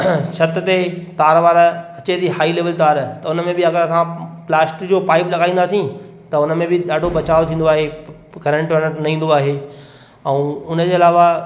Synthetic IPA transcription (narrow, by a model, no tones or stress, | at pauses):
ʃɐt̪t̪et̪aːɾʋaːɾɐt͡ɕed̪iɦaːileːʋəlt̪aːɾt̪ɐʊnmẽbɪɐɡəɾt̪ãplaːsʈd͡ʑoːpaːɪplɐɡaːĩːnd̪aːsĩ | t̪ɐʊnə̆mẽbɪɗaːɖʱobɐt͡ɕaːʋot̪ʰĩːn̆d̪oaːɦe | kɐɾə̃ɳʈʋɐnənɐĩːn̆d̪oaːɦeː | ɛ̃ːʊnəd͡ʑeːɐlaːʋa